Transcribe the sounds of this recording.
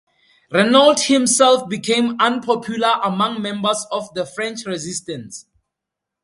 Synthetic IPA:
ɹɛnaldhĩmsɛlfbikʰẽmãnpʰɔpʰjulaʔamãŋmɛ̃mbəsɔfðəfɹɛ̃nt͡ʃɹɛzistɛ̃ns

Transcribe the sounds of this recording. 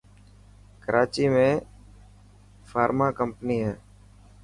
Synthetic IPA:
kəɾʔaːt͡ʃiːmẽː | faːɾmaːkəmpniːɦɛː

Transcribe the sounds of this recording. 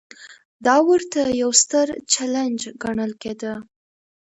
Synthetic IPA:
d̪ɑwəɾt̪ajawst̪əɾt͡ʃaland͡ʒɡaɳəlked̪ə

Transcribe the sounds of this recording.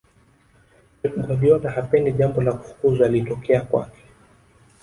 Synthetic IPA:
ɛkuɡaviɔnahapɛndiʄambɔlaku̥fu̥kuzualitɔkɛakwa̰kɛ̥

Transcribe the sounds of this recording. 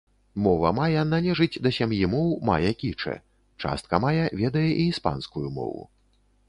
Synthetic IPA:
mɔvɐmajɛnalʲɛʐɨd͡zʲd̪ɐsʲamjimɔwma̰jɛkʲit͡ʂɛ̰ | t͡ʂa̰st̪̚kɐmajɛvʲɛd̪ɐjɛʔiːspa̰nskujumɔ̰vṵ

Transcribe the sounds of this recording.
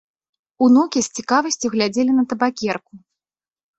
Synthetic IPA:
unɔkʲisʲt͡sʲikavɐsʲt͡sʲuɣlʲad͡zʲelʲinɐt̪ɐbakʲɛrku

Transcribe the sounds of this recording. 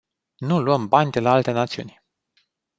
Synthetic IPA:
nuluəmbanʲd̪e̞laalt̪e̞nat̪siṵnʲ

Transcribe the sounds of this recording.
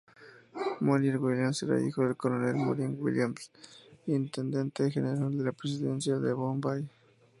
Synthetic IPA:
monilwiljamseɾa̰ʔḭxoðelkoɾonelmo̰ɾiŋɡwḭljamsint̪end̪ent̪exeneɾald̪elapɾes̬iðensjaðeβombaj

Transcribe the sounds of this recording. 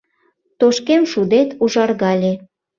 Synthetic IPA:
t̪oʃkemʃud̪et̪uʒɑrɣɑlʲe

